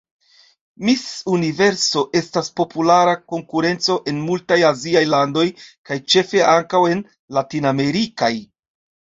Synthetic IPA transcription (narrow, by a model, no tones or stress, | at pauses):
misunive̞ɾso̞ʔe̞staspo̞pulaɾako̞ŋkuɾe̞nt͡so̞ʔe̞nmultajaziajlando̞jkajt͡ʃe̞fe̞aŋkawe̞n | latiname̞ɾikaj